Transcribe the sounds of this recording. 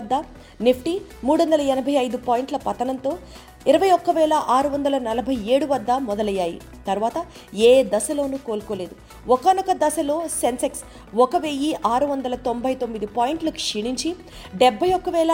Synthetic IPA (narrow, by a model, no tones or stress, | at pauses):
d̪ːɐ | nepʰʈimuːɽuʋɐnd̪ɐlɐɛnɐbʱɐjɐjd̪upaːjiɳʈlɐpɐt̪ːɐnɐnt̪o̞ː | iɾɐʋɐjɔkːɐʋɛːlɐʔaːɾuʋɐnd̪ɐlɐnɐlɐbʱɐje̞ːɽuʋɐd̪ːɐmɔd̪ɐlɐjːaːjḭ | t̪ɐɾuʋaːt̪ɐ | eːd̪ɐsɐlo̞ːnuːko̞ːlko̞ːle̞ːd̪u | ɔkɐnɔkɐd̪ɐsɐlo̞ːsenseks | ɔkɐʋeːjiʔaːɾuʋɐnd̪ɐlɐt̪o̞mbʱɐjt̪o̞mːid̪ipaːjiɳʈlɐku̥ʂiɳiɲt͡ʃi | ɖebʱːɐjɔkːɐʋɛːlɐ